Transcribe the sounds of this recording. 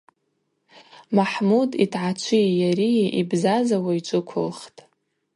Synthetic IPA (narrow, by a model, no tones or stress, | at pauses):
maħmuditʰʕat͡ʃʷʰijaɾiʔibzazawaiʈ͡ʂʷʼɨkʷʰʊlχtʼ